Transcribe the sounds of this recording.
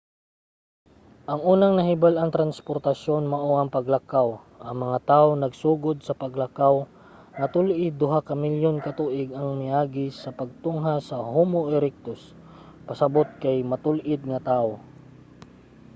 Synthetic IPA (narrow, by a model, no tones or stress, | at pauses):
ʔɐŋʔuːnɐŋnɐɦɪbalɐŋt̪ɾanspoɾt̪ɐʃo̞nmɐʔoʔɐŋpɐɡlɐkaw | ʔɐŋmɐŋat̪aːʔonɐɡsuːɡʊd̪̚sɐpɐɡlakaw | ŋɐt̪ʊlʔɪd̪ʊɦakɐmɪljonkɐt̪uːʔɪɡɐŋmɪʔaːɡɪsɐpɐɡ̚t̪ʊŋɦasɐhuːmoʔɪɾɛk̚t̪os | pɐsɐbot̪̚kajmɐt̪ʊlʔɪd̪̚ŋɐt̪aːʔo